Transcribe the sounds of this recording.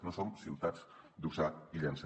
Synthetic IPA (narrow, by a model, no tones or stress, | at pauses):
nosonsiwt̪ad͡z | d̪usaiʎəns